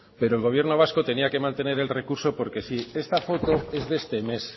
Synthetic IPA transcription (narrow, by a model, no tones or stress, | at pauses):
pe̞ɾoelɣ̞o̞β̞je̞ɾno̞β̞asko̞t̪e̞niake̞mãnt̪e̞ne̞ɾe̞lre̞kuɾso̞po̞ɾke̞sie̞st̪afo̞t̪o̞e̞zðe̞st̪e̞me̞s